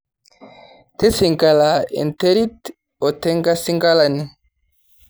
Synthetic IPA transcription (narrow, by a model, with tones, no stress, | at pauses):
te˦si˨ŋɡa˨la˨ḛ˨nte˦ɾi˦t | o˨tɛ˦ŋɡa˦si˦ŋɡa˦la˨ni˨